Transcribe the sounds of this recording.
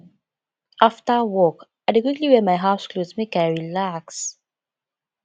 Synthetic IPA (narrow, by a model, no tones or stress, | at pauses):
ʔaftəwɔkaɪdɪkwɪkliwɛmajɦaʊskʰloːzmɪkaɹilaks